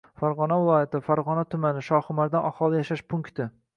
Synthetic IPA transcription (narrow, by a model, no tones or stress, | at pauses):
faɾʁɒnavɪlˠɒjat̪ɪfaɾʁɒnat̪ʰʊmanɪʃɒχʊmaɾd̪anɒχɒlˠɪjaʃaʃpʰʊŋkt̪ɪ